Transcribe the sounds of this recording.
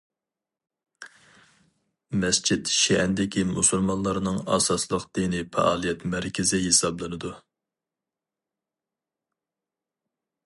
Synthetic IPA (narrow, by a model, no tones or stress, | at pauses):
mɛst͡ʃʰid̪ʃɛɛnd̪ɪkʲimusulˠmɑnlˠɑɾnɨŋɑ̰sɑslˠəqd̪̥inɪpɛ̰ʔɑːlˠijɛt̪mæɾkʲʰɪzɪɦesɑblˠɨnɨd̪u